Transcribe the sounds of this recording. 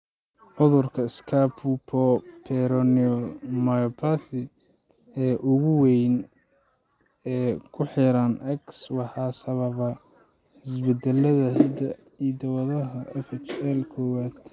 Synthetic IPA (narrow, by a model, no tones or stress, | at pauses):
ʕʊðʊrkʰɐɪskʰapʰupʰɔpʰɛɾɔniɔlmajɔpʰaθɪ | ɛːʔʊɣʊwɛjn | ɛːkʰʊħɪɾɐnʔɛkswɑħɑːsɐβɐβɐ | ħɪsbɛd̪ɛlːɐðɐɦɛd̪ɐ | id̪ɐwɐðɐɦɐʔɛfɛt͡ʃɛlkʰɔːwaːd̪̥